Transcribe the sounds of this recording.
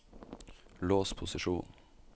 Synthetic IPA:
loːspʰʊsɪʃuːn

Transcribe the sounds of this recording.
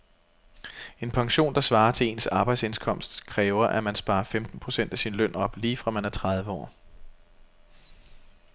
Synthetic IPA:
e̝npʰɑ̈ŋɕo̝̰ːnd̥ɑ̈sʋɑ̈ːɐt͡sʰe̝le̝̰ːnsɑ̈b̥ɑ̈ɪd̥se̝nskʰɒ̽m̰sd̥kʰʁɛːʊɐʔæmænsb̥ɑ̈ːɐfemd̥n̩pʰʁo̝sen̰d̥æsinlœn̰ɒ̽b̥liːfʁɑ̈mænæɐt͡sʰʁɑ̈ð̞ˠʋəɒ̰ː

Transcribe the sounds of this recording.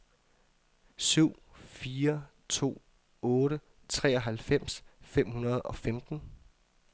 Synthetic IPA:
syʊ̰fiːɐ | t͡sʰo̝̰ː | ɔ̽ːɾə | t͡sʰʁɛ̰ːɒ̽ɦælfem̰sfem̰hunɐð̞ˠɒ̽femd̥n̩

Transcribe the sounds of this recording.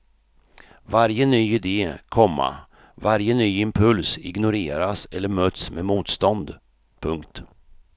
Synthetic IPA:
vaɾjənyːɪd̪eːkʰɔmːa̰ | vaɾjənyːɪmpʰɵlsɪɡnʊɾeːɾasɛlːəɾmøːt̪smemuːt̪st̪ɔnd̪ | pʰɵŋkt̪

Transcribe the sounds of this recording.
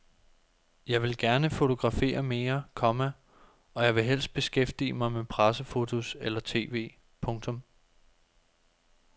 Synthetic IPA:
jɑ̈ɪʋe̝lɡ̥æɐnəfo̝t͡sʰo̝ɡ̥ʁɑ̈fe̝̰ːɐme̝ːɐkʰɒ̽mæ | ɒ̽jɑ̈ɪʋe̝ɦel̰sd̥̚b̥e̝sɡ̥efd̥ḭːəmɑ̈ɪmepʰʁasəfo̝t͡sʰo̝selɐt͡sʰe̝̰ːʋe̝̰ː | pʰɔ̽ŋt͡sʰɔ̽m

